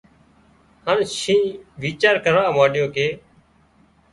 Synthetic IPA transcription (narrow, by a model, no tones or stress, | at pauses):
hənʃĩːʋiːt͡ʃaːɾkəɾʋaːmaːɗɪjõːkeː